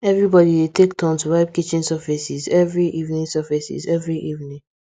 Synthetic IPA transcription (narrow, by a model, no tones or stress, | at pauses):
ɛvɹibɔdiwetʰektʰɔ̃ntuɹaɪb̚kit͡ʃĩnsavisizɛvɹiʔivnĩŋsavisḭzɛvɹiʔivnĩŋ